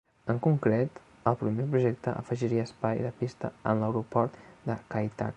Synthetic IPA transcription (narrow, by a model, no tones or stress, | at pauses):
əŋkuŋkɾet̪ | əlˠpɾumepɾuʒɛk̚t̪əʔə̰fəʒiɾiəːspajðəpist̪əə̰nləwɾupɔɾt̪d̪əkajt̪a̰k